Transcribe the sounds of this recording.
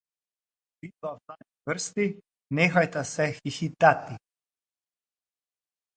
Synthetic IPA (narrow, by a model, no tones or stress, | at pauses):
bit̪afan | vərst̪i | nɛxajt̪asɛxixit̪at̪i